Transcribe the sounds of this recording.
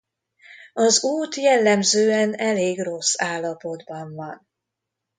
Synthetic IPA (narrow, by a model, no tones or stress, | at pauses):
ɒzuːt̪jɛlːɛmzøːɛnɛleːɡro̞sːaːlːɒpo̞d̪bɒɱvɒn